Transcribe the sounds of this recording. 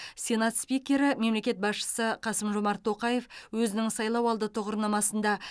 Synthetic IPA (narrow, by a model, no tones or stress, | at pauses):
sʲe̞nat̪spikʲe̞ɾɪme̞mle̞kʲe̞t̪̚bɑsʃə̥səqʰɑsəmʒomɑɾt̪ʰːo̞qɑje̞fwɵzɪnɪŋsɑjlˠɑwɑlˠd̪ət̪ʰʊʁəɾnɑmɑsənd̪ɑ